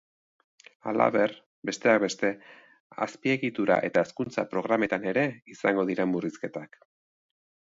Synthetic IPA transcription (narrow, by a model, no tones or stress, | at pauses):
a̰la̰βe̞r | be̞st̪e̞ak̚be̞st̪e̞ | a̰spie̞ɣit̪uɾa̰ʔe̞t̪aeskunt͡sapɾo̞ɣ̞ɾame̞t̪ane̞ɾe̞isaŋɡo̞ðiɾe̞mburiske̞t̪ak